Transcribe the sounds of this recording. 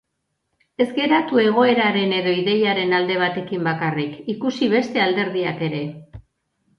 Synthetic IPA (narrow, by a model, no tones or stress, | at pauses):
e̞zɡe̞ɾat̪ue̞ɣ̞o̞e̞ɾaɾe̞ne̞ðo̞iðe̞jaɾe̞nald̪e̞β̞at̪e̞kimbakarikikusiβ̞e̞st̪e̞ald̪e̞ɾð̞iake̞ɾe̞